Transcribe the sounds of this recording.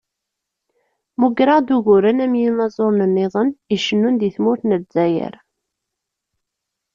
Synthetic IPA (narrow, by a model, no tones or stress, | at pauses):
muɡɾəʁd̪uʝuɾənæmjinɑzˤoɾˤnənːeðˤəniʃənːund̪iθmʊɾθnəzæjə̰ɾ